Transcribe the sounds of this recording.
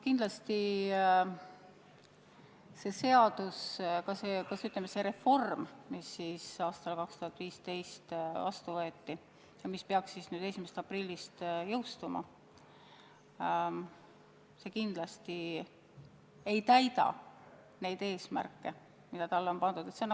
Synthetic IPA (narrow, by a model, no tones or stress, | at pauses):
kind̪̥lɑst̪i | se̞se̞ɑd̪̥uskɑsekɑsyt̪lemːese̞ɾe̞fo̞rmmisːiːsɑːst̪ɑlkɑkst̪uhɑt̪ːˑviːst̪e̞jst̪vɑst̪uvɤet̪ːi | jɑmispeɑksːisnyːd̪e̞simese̥t̪ɑprilʲːist̪jɤwst̪umɑ̰ | se̞kind̪̥lɑst̪i | e̞jt̪æjd̪ɑ̰ | ne̞jd̪̥e̞ːsmæ̰rkːe̞ | mid̪̥ɑt̪ɑlːeo̞npɑnd̪̥ud̪̥e̞t̪senː